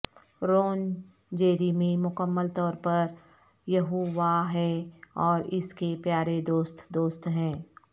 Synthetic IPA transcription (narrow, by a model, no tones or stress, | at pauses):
ɾoːn | d͡ʒeːɾimẽmʊkəmːəlt̪ɔːɾpɐɾ | jɐɦoːʋaɦɛɔːɾɪskepjaːɾed̪oːst̪d̪oːst̪ɦɛ̃ː